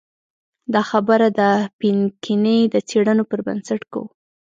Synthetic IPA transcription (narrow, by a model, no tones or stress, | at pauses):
d̪ɑxabəɾad̪əpinkʰinəjd̪ət͡seɽənopəɾba̰nsaʈka̰w